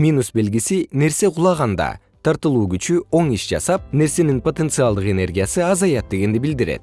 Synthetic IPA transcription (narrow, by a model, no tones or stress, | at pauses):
mʲinusbe̞lɡisine̞ɾse̞qʰʊlˠɑʁɑnd̪ɑ̰ | t̪ʰɑɾt̪ɯlˠuːɡyt͡ʃyo̞ɴiʃd͡ʒɑ̰sɑp̚ne̞ɾse̞ninpo̞t̪e̞nt̪sɨɑlˠd̪ɯqe̞ne̞rɡʲijasɯɑzɑjɑt̪̚d̪e̞ɡe̞nd̪ibild̪iɾe̞̰t̪